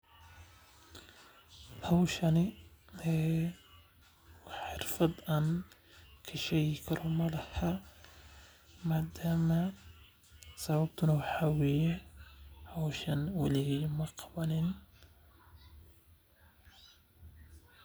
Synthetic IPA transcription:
hɐwʃɐnɪɛː | ħɪrfɐd̪aːn | kʰɐʃɛjɪkʰɐɾʔɔmɐlɐhɐ | maːd̪aːmɐ | sɐβɐbt̪ʰʊnɐwɑħɑaːwɛːjɛ | hɐwʃɐnwɑlɪɣɛjmɐqɑβɐnɪn

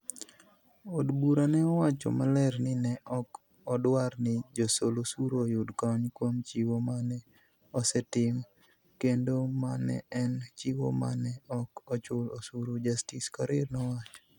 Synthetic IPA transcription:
odbuɾanɛɔwat͡ʃɔ̰malɛɾnɪnɛʔɔk | ɔdwaɾnɪd͡ʒosolosuɾojʊdkɔɲkwomt͡ʃiwomanɛ | ɔsɛtɪm | kendomanɛ̰ɛnt͡ʃiwo̰ma̰nɛɔkɔt͡ʃʊlosuɾud͡ʒastiskaɾɪɾnɔwat͡ʃ

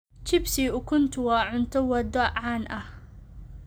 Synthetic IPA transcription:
t͡ʃɪbsiʔʊkʰʊnt̪ʰʊwɑːʕʊnt̪ʰɔwɐd̪ɔʕaːnʔɐh

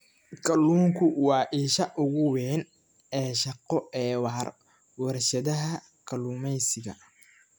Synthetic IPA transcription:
kʰɐluːŋkʰʊwɑːʔiːʃɐʔʊɣʊwɛːn | ɛːʃɐqɔɛːwɑːr | wɐrʃɐðɐɦɐ | kʰɐluːmɛjsɪɣɐ̰

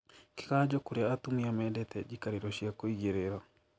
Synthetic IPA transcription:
ke̥ɣad͡ʒɔkoɾeaːtumiamɛdɛtʰɛd͡ʒikaɾeɾɔʃiakoiɣeɾeɾa

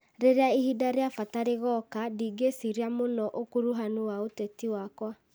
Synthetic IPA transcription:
ɾeɾeaihidaɾeafataɾeɣɔkadiːɡesiɾiamonɔʔokuɾuɦanuwaotɛtiwakwa

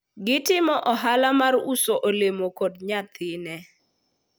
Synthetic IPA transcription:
ɡɪtɪmɔʔɔɦalamarusoʔolemokodɲat̪ɪnɛ

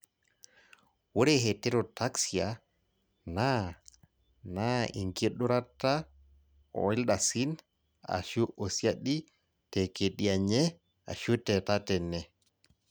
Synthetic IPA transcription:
woɾɛɦɛtɛɾɔtaksia | na | naḭŋɡiɗuɾata | ɔ̰wɛlɗasin | a̰ʃuʔosiaɗi | tɛkeɗiaɲɛ | a̰ʃutɛtatɛnːɛ

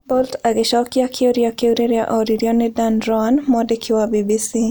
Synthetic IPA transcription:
bɔltaɡɛʃakiakʰioɾiakiuɾiɾjaʔɔɾiɾiɔnɛdanɾɔanmɔdɛkʰiwabibisi

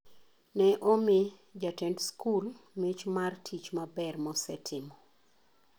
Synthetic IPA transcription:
nɛʔomɪ | d͡ʒatɛntskʰulmet͡ʃmartʰit͡ʃmabɛrmɔsɛtʰɪmɔ

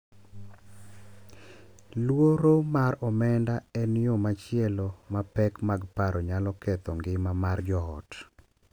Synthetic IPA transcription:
lwoɾomaɾɔmɛndaɛnjomat͡ʃɪɛlomapɛkmaɡpaɾɔɲalɔkɛt̪ɔŋɡɪmamard͡ʒɔɔ̰t

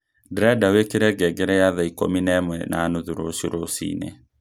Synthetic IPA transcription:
dɾɛdawekeɾɛɡɛɡeɾɛjaðaiko̰minɛmwɛna̰ːnuðuɾosoɾosḭnḛ

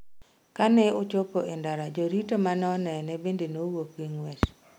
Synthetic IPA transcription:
kanɛʊt͡ʃopoʔendaɾad͡ʒoɾitomanɔnɛnɛbendenowokwiŋwɛt͡ʃ

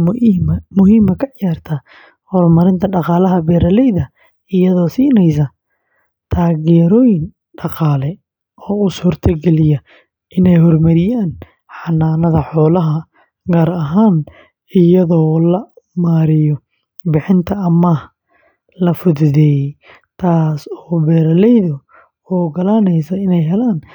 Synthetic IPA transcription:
mʊɦiːmɐkʰɐʕjaːrt̪ʰɐ | hɔrmɐɾɪnt̪ʰɐɖɑqɑːlɐɦɐbɛːɾɐlɛjðɐ | ɪjɐðɔːsiːnɛjs̬ɐ | t̪ʰaːɣɛːɾɔːjɪn | ɖɑqɑːlɛ | ʔɔːusuːrt̪ʰɐɡɛlɪjɐ | ʔɪnɛjɦɔrmɐɾɪjaːn | ħɑnːaːnɐðɐħɔːlɐɦɐ | ɡaːɾɐɦaːn | ɪjɐðɔːlɐmaːɾɪjɔ | bɪħɪnt̪ʰɐɐmɐh | lɐfʊðʊðɛːj | t̪ʰaːsɔːbɛːɾɐlɛjðʊ | ɔːɡɐlanɛjsɐɪnɛjɦɛlaːn

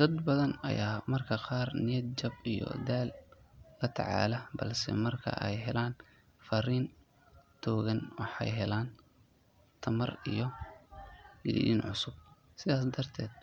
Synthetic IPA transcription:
d̪̥ɐd̪bɐðɐnɐ̰jaːmɐrkʰɐqɑːrnɪjɐd̪̚t͡ʃɐbijɔ̰d̪ɛːlː | ɐt̪ʰɑ̰ʕɑ̰ːlɐbɐlsɛ̰mɐrkʰɐ̰ʔɛjɦɛlaːn | fɐriːn | t̪ʰɔːɣɐnwɑħɑ̰jɦɛlaːn | t̪ʰɐmɐrijɞ | ɡɪlḭiːnʕʊsʊb̚ | sɪðaːs̬d̪ɐrt̪ʰɛːd̪̥

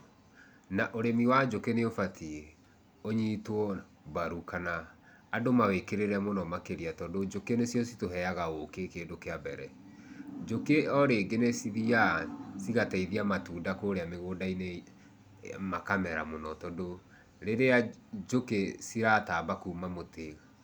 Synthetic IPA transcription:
naʔoɾemiwad͡ʒokeneofatʰi | oɲitwɔ | baɾukanaː | domawekeɾeɾɛmonɔmakeɾiatɔdod͡ʒokenesjɔsitoɦɛaɣaokekedokeabɛɾɛ | d͡ʒokeɔɾeːɡenesiðiasiɣatɛiðiamatuːndakoɾeameɣoːdaine | makamɛɾa̰monɔtɔdo | ɾeɾead͡ʒokesiɾatabakuːmamoteɣa

